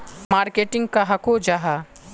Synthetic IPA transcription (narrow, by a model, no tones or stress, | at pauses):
maːɾkeːʈɪ̃ŋɡkaɦɐkod͡ʒaɦa